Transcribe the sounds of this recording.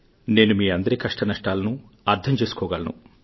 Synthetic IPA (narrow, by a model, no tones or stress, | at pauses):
ne̞ːnumiːɐnd̪ɐɾikɐʂʈɐnɐʂʈaːlɐnu | ɐɾd̪ʱɐmt͡ʃeːsu̥kɔːɡaːlɐnṵ